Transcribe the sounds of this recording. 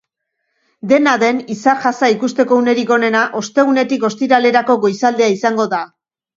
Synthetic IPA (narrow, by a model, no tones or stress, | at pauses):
d̪e̞naðe̞nisaɾʝasaikust̪e̞ko̞une̞ɾiko̞ne̞naʔo̞st̪e̞ɣ̞une̞t̪iko̞st̪iɾale̞ɾako̞ɣo̞jsald̪eaisaŋɡo̞ða